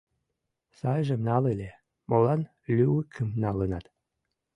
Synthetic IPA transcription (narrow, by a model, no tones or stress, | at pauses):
sɑjʒĕmnɑlelʲe | molɑn | lʲywəkʰəmnɑlənɑt̪